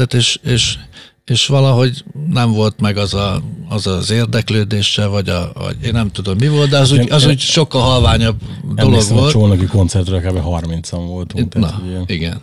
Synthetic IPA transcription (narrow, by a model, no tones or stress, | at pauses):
at̪eːʃeːʃ | eːʃʋɒlɒɦo̞ɟnɛɱvo̞lt̪mɛɡɒzɒːzɒzeːrd̪ɛkløːd̪eːʃɛvɒɟɒ̰vɒ̰ɟeːnːɛmt̪ud̪o̞mːivo̞lt̪̚d̪ɛɒzuːɒzuːɟʃo̞kːɒlɦɒlvaːɲɒb | d̪o̞loɡʋo̞ltt͡ʃoːnɛkiko̞nt̪sɛrt̪røːlkaːbɛɦɒrmint̪sɒɱvo̞lt̪unɒ̰iɡɛ̰n